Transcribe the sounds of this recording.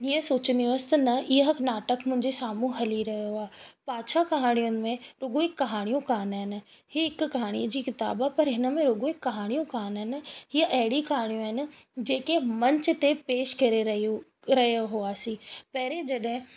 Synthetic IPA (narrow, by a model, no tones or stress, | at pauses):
iːə̃soːt͡ɕənd̪iəɐsɪ̥t̪ɐnɐʔiəɦknaːʈəkmʊ̃ɦɪ̃ɲd͡ʑesaːmũɦɐliɾɐɦijoaːpaːt͡ɕʰakɐɦaːɽ̃ijʊnɪ̆mẽɾʊɡoɪkːɐɦaːɽ̃ijũkaːnaːɦɪnɪ̆ | hiɪkʊkɐɦaːɽ̃iːəd͡ʑiːkɪt̪a̰ːbaːpɐɾɦɪnə̆mẽɾʊɡoɪkːɐɦaːɽ̃ijũkaːnaɦɪnɪ̆hiəʔɐɦɪɽikɐɦaːɽ̃ijũaɦɪnɪ̆ | d͡ʑeːkemɐ̃ɲt͡ɕʊ̆t̪epeːʃkɐɾeɐ | ɾɐijoɦʊaːsiːpɐɦɪɾed͡ʑɐɗɦɪ̃